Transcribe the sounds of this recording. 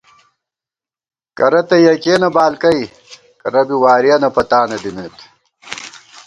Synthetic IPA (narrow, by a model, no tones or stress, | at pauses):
kɐɾɐt̪ɐjɐkeːnɐbaːlkɐj | kɐɾɐbiwaːɾijɐnɐpɐt̪aːnɐd̪imeːt̪